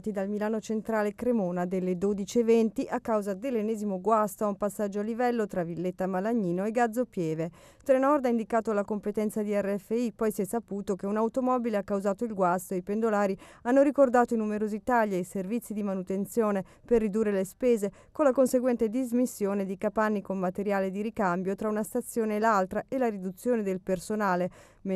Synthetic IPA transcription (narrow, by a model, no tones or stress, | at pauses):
t̪id̪almilaːnot͡ʃent̪ɾaːlekɾemoːnad̪elːed̪oːd̪it͡ʃievɛnt̪iʔakːawzad̪elːenːɛːzimoɡwast̪oaumpasːad͡ʒːoalːivɛlːot̪ɾavilːet̪ːamalaɲːiːnoeɡad̪zopjɛːve | t̪ɾenɔrd̪aind̪ikaːt̪olakompet̪ɛnt̪sad̪iɛrːeɛfːeipɔjsjɛsːapuːt̪okeunawt̪omɔbileakːawzaːt̪oilɡwast̪oeipend̪olaːɾianːoɾikord̪aːt̪oinumeɾozit̪aʎːajservit̪sːid̪imanut̪ent̪sjoːne | perːid̪urːelespeːze | konlakonseɡwɛnt̪ed̪izmisːjoːned̪ikapanːikommːat̪eɾjaːled̪iɾikambjot̪ɾaunast̪at̪sːjoːneːlalt̪ɾaʔelaɾid̪ut̪sːjoːned̪elpersonaːle | m